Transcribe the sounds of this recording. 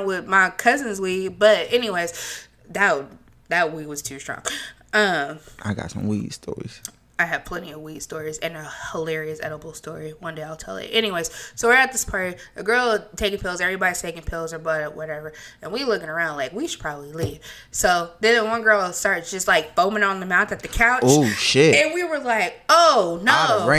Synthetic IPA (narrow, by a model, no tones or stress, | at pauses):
nwɪðmaɪkʰʌzɨ̃nzwibʌɾɛniweɪz̥ | ðɨt̚ | ðɨt̚wiwʌz̥tʰʉstɹ̥ɔ̰̃ŋ | ʌ̃mʔa̰ɪɡɑ̰tsʌ̰̃mwḭd̥stɔ̰ɹḭz̥ | aɪɨd̥̚pʰl̥ɛ̃ñiʌvwid̥stɔɹizɨ̃nəhəlɛɹiɨsɛ̰ɾəb̩ˠstɔɹiwʌ̃ndeɪaɪlˠtʰɛ̰lˠɪ̰tʔɛñiweɪz̥soʊwɨt̪̚ðɪspʰɑɹɾiɨɡɜ˞lˠtʰeɪkɪ̃ŋpʰɪlˠzɛvɹibɑɾiz̥tʰeɪkɪ̃ŋpʰɪlˠzə˞bʌɾəʔ̚wʌɾɛvə˞ɨ̃nwilʊkɪ̃ŋə˞ãʊ̃ndlaɪkwiʃɨd̥̚pʰɹ̥ɑbəbliliv̥ | soʊðɨ̃nəwʌ̃nɡɜ˞lˠaɪlˠstɑɹɾɨ̥d͡ʒʌst̚ˡlaɪk̚fõʊ̃mɪ̃ŋə̃nðɨmãʊ̃nθɨt̪̚ðɨkʰaʊt͡ʃoʊʃɪɨ̃nwiwə˞laɪk̚oʊnoʊ̃